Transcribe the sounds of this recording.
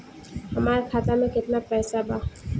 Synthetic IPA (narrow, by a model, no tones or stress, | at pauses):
həmaɾkʰat̪amẽkɪt̪napɛːsaba